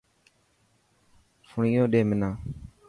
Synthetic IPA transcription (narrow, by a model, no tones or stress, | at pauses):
fʊɳiːjõːɗeːmɪnãː